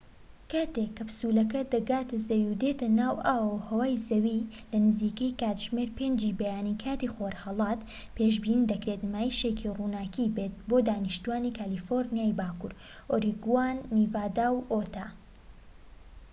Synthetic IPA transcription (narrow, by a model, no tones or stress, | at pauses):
kaːt̪ekːɐbsuːlɐk̬ɐd̪ɐɡaːt̪ɐzɐwiwd̪et̪ɐnaːwʔaːwohɐwaːjzɐwilɐnɨziːkɐjkaːt̪ʒmeɾpeːnd͡ʒiːbɐjaːnikʰaːt̪iːxoɾhɐlˠɑːt̪ | pʰeːʃbiːnind̪ɐkɾet̪maːjiʃekʰiruːnaːkibeːt̪̚boːd̪aːnɨʃt̪uwaːniːkaːlifoɾnijaːjbaːkṵɾ | ʔoːɾiɡuwaːnːivaːd̪aːwʔot̪ʰaː